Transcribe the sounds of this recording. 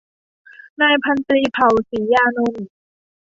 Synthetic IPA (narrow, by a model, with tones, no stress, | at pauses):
naː˧jpʰa˧nt̪ɾiː˧pʰa˨˩wsiː˩˦jaː˧no˧n